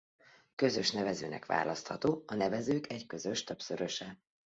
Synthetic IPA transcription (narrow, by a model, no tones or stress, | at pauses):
kø̞zøʃnɛvɛzøːnɛ̰kʋa̰ːlɒst̪hɒt̪oːɒnɛvɛzøːkɛɟkø̞zø̞ʃt̪øpsøɾøʃɛ